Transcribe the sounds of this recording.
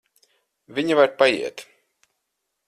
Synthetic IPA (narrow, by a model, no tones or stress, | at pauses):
vʲiɲivaɾpajḭɛt̪